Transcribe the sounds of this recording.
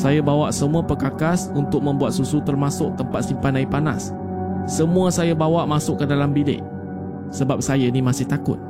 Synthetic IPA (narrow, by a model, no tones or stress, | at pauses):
sajabawaʔsəmuapəkakasunt̪ʊk̚mə̃mbuat̪̚susut̪ərmasʊʔ̚t̪əmpat̪̚simpanaipana̰sː | əmũasajabawaʔmasʊʔkːədalambilɪ̰ʔ | səbap̚sajənimasɪht̪akʊ̰t̪̚